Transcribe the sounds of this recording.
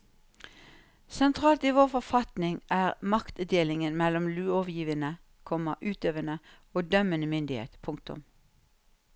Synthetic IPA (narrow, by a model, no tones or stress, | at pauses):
sɛnt̪ʰʁɑːlt̪iːʋoːʁfɔfɑt̪nɪŋʔæːʁmɑkt̪d̪eːlɪŋənmɛlɔmlʉːɔʋjiːʋənə | kʰɔməʔʉːt̪øːʋənə | oːd̪œmənəmʏnd̪ɪhḛːt̪əpʰʊŋk̚t̪ʊ̰m